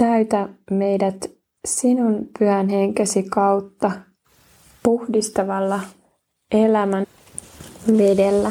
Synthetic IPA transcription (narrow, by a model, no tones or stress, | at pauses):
t̪æyt̪æme̞jdæt̪ | sinunpyhænhe̞ŋkesikɑwt̪ːɑ | puhdist̪ɑʋɑlːɑ | ʔelæmæn | ʋe̞delːæ